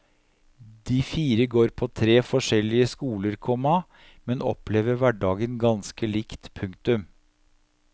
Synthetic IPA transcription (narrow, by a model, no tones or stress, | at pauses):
d̪iːfiːɾəɡoːɾpʰoːt̪ʰɾeːfɔʂɛlɪəskuːləɾkʰɔmɑ | mɛnɔ̰pleːʋəɾʋæɖɑːɡənɡɑnskəliːkt̪pʰʉŋkt̪ʉm